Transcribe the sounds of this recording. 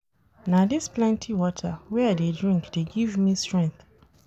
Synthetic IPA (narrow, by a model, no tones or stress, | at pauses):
nadisplɛ̃ntʰiwɔtʰawɛaɪdedɹĩŋkd̥eɡivmistɹɛ̃nθ